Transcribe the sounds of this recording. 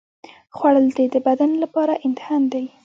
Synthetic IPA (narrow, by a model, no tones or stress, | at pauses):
xwaɽəld̪ed̪əbad̪anlapɑɾaʔɪnt̪ɪ̥hɑnd̪aj